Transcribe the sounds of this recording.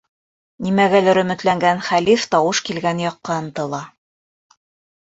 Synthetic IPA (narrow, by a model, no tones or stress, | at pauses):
nimæɡælæɾɵ̆mɵ̆t̪læŋɡænχælift̪ɑwɤʃkilɡænjɑqːɑɤ̆nt̪ɤ̆lˠɑ